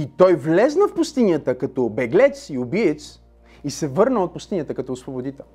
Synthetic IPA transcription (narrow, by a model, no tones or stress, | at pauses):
it̪ɔjvlɛznəfpʊst̪inʲjət̪əkɐt̪ɔbɛɡlɛt̪siʊbiət̪s | isɛvɤɾnəot̪̚pʊst̪inʲjət̪əkɐt̪ɔːsvobod̪it̪ɛ